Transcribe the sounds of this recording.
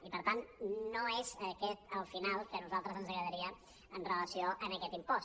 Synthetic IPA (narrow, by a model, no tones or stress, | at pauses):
ipəɾt̪annoezəkɛt̪əlˠfinalˠkənuzalˠt̪ɾəzənzəɣɾəðəɾiə | ənrələsioʔənəkɛt̪impɔs